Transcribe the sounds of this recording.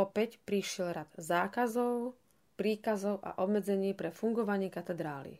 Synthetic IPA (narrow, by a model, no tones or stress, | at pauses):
ɔpɛcpɾiʃɪɛlɾad̪zaːkazɔʊ | pɾiːkazɔʊʔa̰ʔɔbmɛd͡zɛɲiːpɾɛfuŋɡɔʋaɲiːkat̪ɛd̪ɾaːlḭ